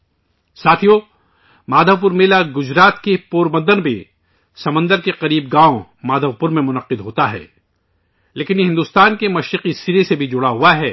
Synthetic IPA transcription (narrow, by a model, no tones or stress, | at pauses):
saːt̪ʰijo | maːd̪ʱəʋp̬ʊɾmeːlaɡʊd͡ʒɾaːt̪kepoːɾbə̃nd̪ənbʱe | sɐmə̃nd̪əɾkeqɐɾiːb̚ɡãːõmaːd̪ʱəʋpʊɾmẽmʊnɐqɪd̪ɦoːt̪aɦɛ̰ː | leːkɪnɦɪ̃nd̪ust̪aːnkemɐʃɾɪqisiɾesebʱid͡ʒʊɽaɦʊaɦɛː